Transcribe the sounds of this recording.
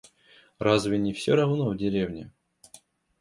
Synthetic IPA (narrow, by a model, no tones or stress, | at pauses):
razvʲɪnʲɪfsʲoɾɐvnovdʲɪɾʲevnʲɪ̰